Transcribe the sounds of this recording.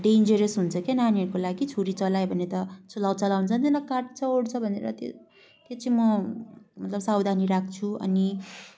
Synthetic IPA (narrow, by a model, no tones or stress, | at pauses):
ɖend͡zeɾesɦunt͡sʰʌkenaneɾkolaɡit͡sʰoɾit͡sʌlajbʱʌnet̪ʌt͡sʌlawt͡sʌlawnt͡sʰʌnt̪enʌkaʈ̚t͡sʰʌɽt͡sʰʌbʱʌnḛɾʌ̰t̪jo̰ | t̪jet͡sʌĩmʌmʌt̪lʌbsawd̪ʱaniɾak̚ʰt͡sʰuʌ̰ni